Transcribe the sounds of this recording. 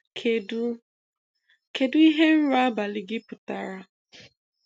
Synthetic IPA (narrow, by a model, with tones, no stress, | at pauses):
kʰ | ke˨dʊ˦i˦ɦe˦n̩˦ɾʊ˦a˦ba˨lɪ˨ɡɪ˦pʊ˨ta̰˨ɾa˦